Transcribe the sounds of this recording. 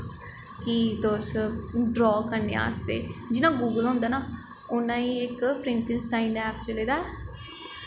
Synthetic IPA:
kit̪osɖɾɔːkəɾnḛːa̰ːst̪ḛːd͡ʒɪnãːɡuːɡəlɦʊ̃nd̪aːnaː | ʊnãːiːɪkpɾɪɳʈɪnsʈaːimɖɛːpt͡ʃəleːd̪aː

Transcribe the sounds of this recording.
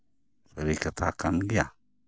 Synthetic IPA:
saɾikat̪ʰakanɡia

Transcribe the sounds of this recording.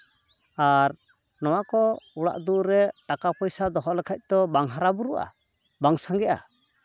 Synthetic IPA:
aɾ | nɔwakɔuɽa̰ʔd̪uʔɾɛʈakapɔjsad̪ɔɦɔʔlɛkʰac̚ˀt̪ɔbaŋɦaɾabuɾuʔa̰ | baŋsaŋɡɛʔa̰

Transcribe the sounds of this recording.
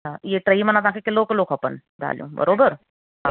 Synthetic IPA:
ɦãjeʈɾəimənãt̪ãkʰekɪlokɪlokʰɐpə̰n | d̪ʱa̰ːljõ̰bə̰ɾoːbəɾ | ɦa

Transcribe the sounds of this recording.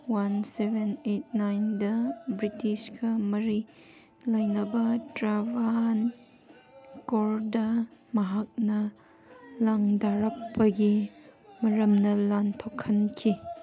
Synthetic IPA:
wansebenet̚najndɐbɾitisɡɐmɐɾi | lɐjnɐbɐtɾaban | koɾdɐmɐɦak̚nɐ | laŋdaɾɐk̚pɐɡimɐɾɐmnɐlantʰokʰːɐnkʰi

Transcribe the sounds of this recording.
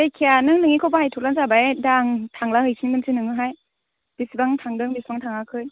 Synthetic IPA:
dejkʰijanɯŋnɯŋikʰɔbahajtʰuklanzabaedaŋtʰaŋlahɯjsʰiŋbɯnsʰɯnɯŋɯɦaj | b̥isbaŋtʰaŋdɯŋbisbaŋtʰaŋakʰɯj

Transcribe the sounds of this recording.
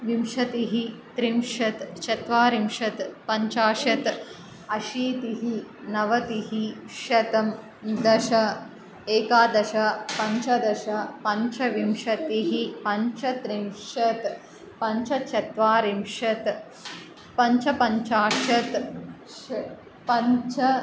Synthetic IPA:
ʋimʃɐt̪iɦit̪ɾimʃɐt̪t͡ʃɐt̪ʋaːɾimʃɐt̪pɐɲt͡ʃaːʃɐt̪ | ɐʃiːt̪iɦinɐʋɐt̪iɦi | ʃɐt̪ɐm | d̪ɐʃɐ | eːkaːd̪ɐʃɐpɐɲt͡ʃɐd̪ɐʃɐpɐɲt͡ʃʰɐʋimʃɐt̪iɦipɐɲt͡ʃɐt̪ɾimʃɐt̪ | pɐɲt͡ʃʰɐt͡ʃʰɐt̪ʋaːɾimʃɐt̪ | pɐɲt͡ʃɐpɐɲt͡ʃaːʃɐt̪ | pɐɲt͡ʃɐ

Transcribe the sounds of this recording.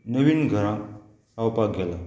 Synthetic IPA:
nəʋinɡʱəɾã | sawpaɡʱɛla

